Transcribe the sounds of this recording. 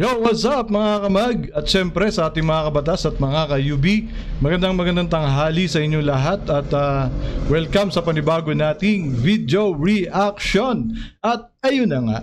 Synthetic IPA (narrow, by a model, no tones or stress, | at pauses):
jowɐsat̪̚mɐŋakɐmaɡɐt̪̚ʃɛmpɾɛsɐʔaːt̪ɪŋmɐŋakɐbɐt̪asɐt̪̚mɐŋakɐjuːbi | mɐɡɐnd̪aŋmɐɡɐnd̪aŋt̪ɐŋɦaːlisɐʔɪɲːolɐɦat̪ɐt̪ɐwɛlkɐmsɐpɐnɪbaːɡonaːt̪ɪŋvid̪jo̞ɹiʔakʃo̞nʔɐt̪̚ʔɐjonɐŋa̰ʔ